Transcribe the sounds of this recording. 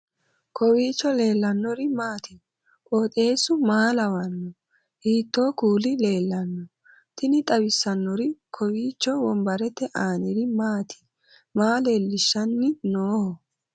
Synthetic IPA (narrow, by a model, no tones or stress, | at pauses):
kʰɔwiːt͡ʃːɔle̞ːlːɐnːɔɾɪmaːt̪ɪ | kʼoːt̪ʼe̞ːsʊmaːlɐwɐnːɔ | hiːt̪ːo̞ːkuːlɪle̞ːlːɐnːɔ | t̪ɪnɪt̪ʼɐwɪsːɐnːɔɾɪkʰɔwiːt͡ʃːɔwɔmbɐɾɛt̪ːɛʔaːnɛɾɪmaːt̪ʰɪ̥ | maːle̞ːlːɪʃːɐnːɪnoːhɔ